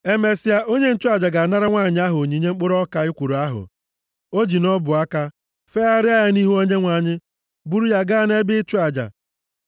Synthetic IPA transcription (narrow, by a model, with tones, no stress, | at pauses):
e˦me˨sɪ˦a˦ʔo˦ɲe˦n̩˦t͡ʃʊ˦a˦˨d͡ʒa˨ɡa˨na˦ɾa˦ŋʷa˦˨ɲɪ˦a˦ɦʊ˨ɲi˨˦ɲe˦ŋ͡m̩˦k͡pʊ˦ɾɔ˦ka˦ɪ˦kʷu˨ɾu˨a˦ɦʊ̰˨ | o˦d͡ʒi˨nɔ˦bʊ˨a˦ka˦ | fe˦a˦ɾɪ˦a˦jɪ˦ni˦ɦu˦o˦ɲe˦ŋʷa˨ɲɪ˦ | bu˦ɾu˦ja˦ɡa˦ne˦bɪ˦t͡ʃu˦a˨d͡ʒa̰˨